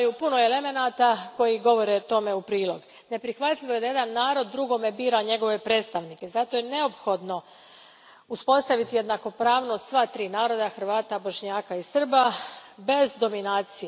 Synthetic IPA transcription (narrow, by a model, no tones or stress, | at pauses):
jupunoeleme̞naːt̪ako̞jiɡo̞ʋo̞ɾet̪o̞me̞upɾiːlˠo̞ɡ | ne̞pɾixʋat̪ʎʲiʋo̞je̞d̪ajed̪anːaːɾo̞d̪ːɾuɡo̞me̞biːɾaɲe̞ɡo̞ʋe̞pɾe̞ːt̪st̪aʋnike̞zat̪o̞jene̞o̞pxo̞d̪no̞ | uspo̞st̪aʋit̪ije̞d̪nako̞pɾaːʋno̞st̪sʋat̪ɾiːnaːɾo̞d̪axr̩ʋaːt̪abo̞ʃɲaːkaisr̩babe̞zd̪o̞minaːt̪sije